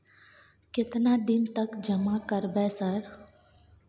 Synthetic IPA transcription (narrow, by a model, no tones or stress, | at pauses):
kɪt̪nad̪ɪnt̪əkd͡ʒəmakəɾbɛsəɾ